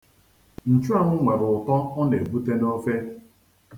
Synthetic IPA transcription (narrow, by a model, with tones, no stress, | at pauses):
n̩˨t͡ʃu˦a˦ŋʷʊ˦ŋʷe˨ɾʊ˨ʊ˨tɔ˦ɔ˦ne˨bu˦te˦no˦fe˦